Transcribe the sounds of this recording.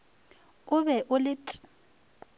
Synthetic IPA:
ʊbɛʔʊlɪtʼ

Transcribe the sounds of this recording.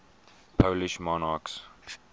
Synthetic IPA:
pʰoʊliʃmɔnɑks

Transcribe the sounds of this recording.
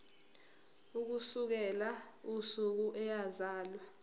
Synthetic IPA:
uk̬usuk̬ɛlausuk̬uʔɛjazaːlwa

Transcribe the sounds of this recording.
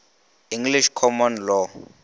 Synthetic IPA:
ĩŋɡliʃkʰɔmɔnlɔ

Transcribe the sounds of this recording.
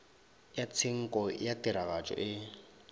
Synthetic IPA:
jat͡sʰɪŋ̩kʼɔjatʼɪɾaɣat͡ʃʼɔ̰ʔɪ

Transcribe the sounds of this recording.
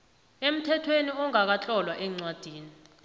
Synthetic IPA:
em̩tʰɛtʰweniɔŋak̬at͡ɬʼɔlwaʔɛŋ͡ǀwad̥ʱiːni

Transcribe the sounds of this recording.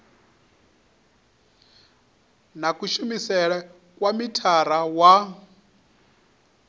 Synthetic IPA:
nakuʃumisɛɺɛ | kʼwamitʰaɾawa

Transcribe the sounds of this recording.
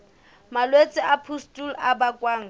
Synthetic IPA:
malwet͡sʼɪʔapʰustʼulabakʼwaːŋ̩

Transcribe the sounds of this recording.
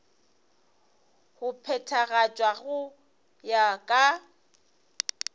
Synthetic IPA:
hʊpʰɛtʰaɣat͡ʃʼwaɣʊ | jakʼa

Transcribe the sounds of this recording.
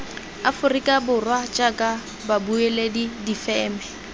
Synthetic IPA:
afʊrikʼabʊrwat͡ʃʼakʼa | babueledidifɛːmɛ

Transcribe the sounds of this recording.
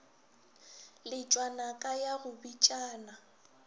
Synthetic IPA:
lɪt͡ʃʼwanakʼajaɣʊbit͡ʃʼaːna

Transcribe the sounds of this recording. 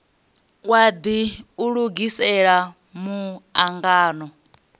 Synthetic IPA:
wad̪iuɺuɡisɛɺa | muaŋɡaːnɔ

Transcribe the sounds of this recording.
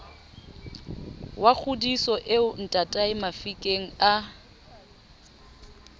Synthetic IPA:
wak͡xʰʊdisɔʔeʊn̩tʼatʼaɪmafikʼeŋ̩a

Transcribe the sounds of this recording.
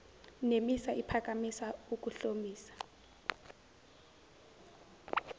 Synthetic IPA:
nemisaʔipʰak̬ʼamisauk̬ʼuɬomiːsḁ

